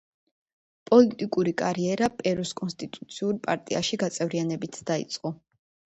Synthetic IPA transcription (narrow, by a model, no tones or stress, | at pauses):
pʼɔlit̪ʼikʼuɾikʼaɾiɛɾapʼɛɾuskʼɔnst̪ʼit̪ʼut̪sʰiuɾpʼa̰ɾt̪ʼia̰ʃiɡat̪sʼɛvɾianɛbit̪ʰd̪aḭt̪sʼqʼɔ